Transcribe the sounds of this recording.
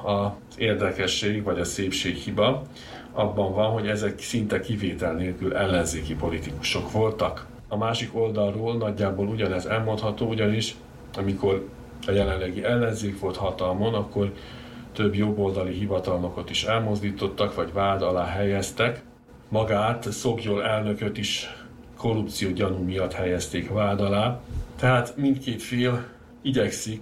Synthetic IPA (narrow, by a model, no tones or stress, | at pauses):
ɒz̥eːrd̪ɛkɛʃːeːɡvɒɟɒseːpʃeːkhibɒ | ɒbːɒɱvɒnɦo̞ɟɛzɛksint̪ɛkiveːt̪ɛlneːlkylʔɛlːɛnzeːkipo̞lit̪iku̥ʃo̞kʋo̞lt̪ɒk | ɒmaːʃiko̞ld̪ɒlroːlnɒɟːaːboːluɟɒnɛzɛlmo̞nt̪hɒt̪oːuɟɒniʃ | ɒmiko̞r | ɒjɛlɛnlːɛɡiʔɛlːɛnzeːkʋo̞lt̪hɒt̪ɒlmo̞nɒkːo̞r | t̪øbjo̞bːo̞ld̪ɒliɦivɒt̪ɒlno̞kot̪iʃɛlmo̞zd̪iːt̪o̞t̪ːɒkʋɒɟvaːd̪ɒlaːɦɛjɛst̪ɛk | mɒɡaːt̪so̞ɡjolɛlnø̞køt̪iʃ | kʰo̞rup̚t̪sijoːɟɒnumijɒt̪hɛjɛst̪eːkvaːd̪ɒlaːt̪ɛɦaːt̪mind̪t̪keːt̪feːl | iɟɛksik